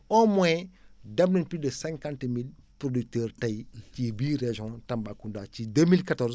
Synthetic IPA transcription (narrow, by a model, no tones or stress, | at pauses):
ɔmɔɛdɐmnɐnpidəsɛ̃ŋkãntmilpɾodik̚təːɾtɐjcibiːɾeʒɔ̃tɐmbakundat͡ʃidəmilkatɔɾz